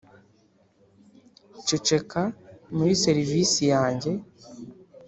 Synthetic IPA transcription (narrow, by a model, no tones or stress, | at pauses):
t͡ʃut͡ʃe̞kamuɾise̞ɾiviːsijaːɲɟe̞